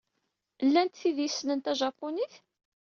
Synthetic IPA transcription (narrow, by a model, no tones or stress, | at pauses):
lːænt̪θiðjisnənt̪æʒɑpːoniθ